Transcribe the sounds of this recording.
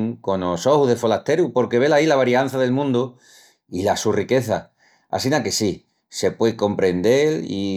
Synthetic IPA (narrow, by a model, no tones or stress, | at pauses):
ŋko̞noso̞huðe̞fo̞last̪e̞ɾupo̞ɾke̞βe̞lailaβ̞aɾian̟θaðe̞lmũnd̪u | ilasurike̞θa | a̰sinake̞si | se̞pwe̞ko̞mpɾe̞nd̪e̞lḭ